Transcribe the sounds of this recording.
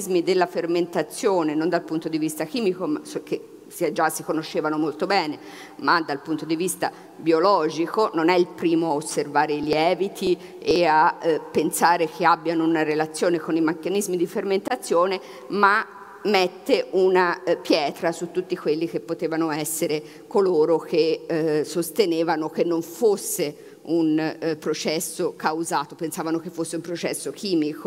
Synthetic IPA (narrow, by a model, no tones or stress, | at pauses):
zmid̪elːaferment̪at̪sːjoːnenond̪alpunt̪od̪ivist̪akiːmikomasokːe | sd͡ʒasːikonoʃːeːvanomolt̪obɛːne | mad̪alpunt̪od̪ivist̪a | bjiolɔːd͡ʒikononɛilpɾiːmoaosːervaːɾeiljɛːvit̪ʰi | eapːensaːɾekʰeabːjanounaɾelat̪sːjoːnekonimakːanizmid̪iferment̪at̪sːjoːne | ma | met̪ːeʔunapjɛːt̪ɾasut̪ːut̪ːikwelːik̟epːot̪eːvanoɛsːeɾe | koloːɾokʰesost̪eneːvanok̟enːoɱfosːe | unpɾot͡ʃɛsːokawzaːt̪opensaːvanok̟efːosːeumpɾot͡ʃɛ̰sːokʰiːmiko